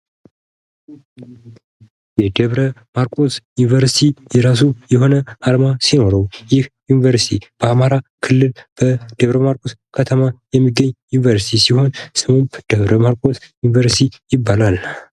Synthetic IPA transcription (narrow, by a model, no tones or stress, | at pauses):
jɛd̪əβɾəmaɾkʼosjunivəɾsit̪ʰijɛɾas̬ujɛho̞nəʔalmasino̞ɾəwjɪhjunivəɾsi̥t̪ʰib̥əamaɾakʰɨlːɨlb̥əd̪̥əβɾəmaɾkʼoskʰət̪ʰəmajɛmːiɡːəɲːjunivəɾsi̥t̪ʰisiho̞nsɨmumpd̪̥əβɾəmaɾkʼosjunivəɾsit̪ʰijɪbːalal